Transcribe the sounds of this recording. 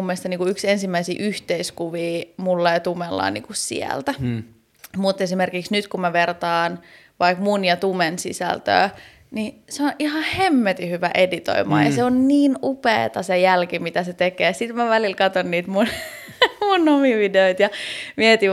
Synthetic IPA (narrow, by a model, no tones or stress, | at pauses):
umːieˑst̪ɑniːkuyksensimːæisḭːʔyht̪eiskuʋiːmulːɑjt̪umelːɑ̰ːnḭːkussḭæ̰lt̪æ | mut̪esimerkiksnyt̪kumæʋert̪ɑːn | ʋɑikmunjɑt̪umensḭsæ̰lt̪ø̰ː | niseonʔihɑhemːet̪ihyʋæʔedit̪o̰imɑ̰ːjɑ̰seonniːnupḛːt̪ɑsejælkimit̪æset̪ekeːsit̪mæʋælilkɑt̪onːiːt̪mun | munomiʋideoit̪jɑmiet̪i